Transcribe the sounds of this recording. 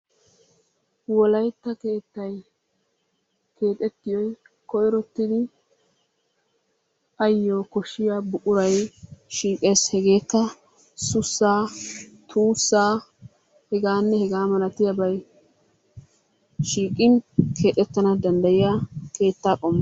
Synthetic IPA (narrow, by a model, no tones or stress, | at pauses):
wɔlɐjt̪ːɐke̞ːt̪ːɐj | kʰe̞ːt̪ʼɛt̪ːɪjɔj | kɔjɾɔt̪ːɪd̪ɪ | ʔɐjːoːkɔʃːɪjaːbʊʔʼʊɾɐjʃiːkʼe̞ːshɛɡe̞ːkːɐ | sʊsːaːt̪ʰuːsːaː | hɛɡaːnːɛhɛɡaːmɐlɐt̪ɪjɐbɐj | ʃiːkʼːɪnkʰe̞ːt̪ʼɛt̪ːɐnɐd̪ɐnd̪ɐjɪjake̞ːt̪ːaːkʼɔmːɐ